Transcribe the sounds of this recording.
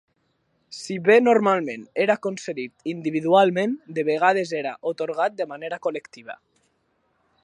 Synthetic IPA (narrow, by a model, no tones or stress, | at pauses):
siβenoɾmalmẽneɾakonseðit̪ind̪iβ̞iðualmẽnd̪eβ̞eɣ̞að̞ezeɾa̰ʔot̪oɾɣ̞at̪̚d̪emaneɾakolekt̪iβ̞a̰